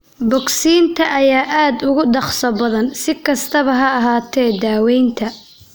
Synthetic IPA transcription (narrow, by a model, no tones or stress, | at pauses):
bɔɡsiːnt̪ʰɐʔɐjaːʔaːd̪ʊɣʊɖɑχsɐbɐðɐnsɪkʰɐst̪ʰɐβɐɦɐɐɦaːt̪ʰɛːd̪aːwɛjnt̪ʰɐ